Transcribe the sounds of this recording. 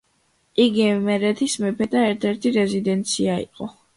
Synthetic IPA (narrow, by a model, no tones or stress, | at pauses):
iɡimɛɾɛt̪ʰismɛpʰɛd̪aɛɾt̪ʰɛɾt̪ʰiɾɛzid̪ɛnt̪sʰiaḭqʼɔ